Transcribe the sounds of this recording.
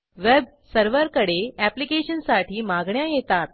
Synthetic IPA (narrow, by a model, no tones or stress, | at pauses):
ʋeb | səɾʋəɾkəɽeæplikeɕənsaʈʰiːmaɡɳjajet̪at̪̚